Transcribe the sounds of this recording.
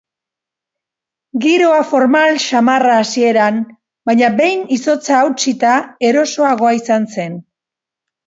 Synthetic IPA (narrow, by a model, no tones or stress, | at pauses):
ɡiɾo̞afo̞ɾmalʃamaraːsie̞ɾan | bajɲabe̞jniso̞t͡saːwt͡sit̪ae̞ɾo̞so̞aɣ̞o̞aisanse̞n